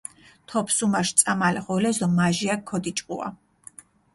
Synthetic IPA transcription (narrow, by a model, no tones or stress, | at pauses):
t̪ʰɔpʰsumaʃt̪sʼamalɛχɔlɛzd̪ɔmaʒiakʰːɔd̪it͡ʃʼqʼua̰